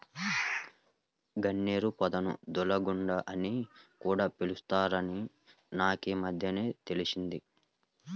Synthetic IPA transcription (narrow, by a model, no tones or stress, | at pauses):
ɡɐɳːeːɾupɐd̪ɐnṵd̪ulɐɡuɳɖɐʔɐnikuːɽaːpelust̪aːɾɐni | naːkeːmɐd̪ʱjɐne̞ːt̪e̞lisind̪i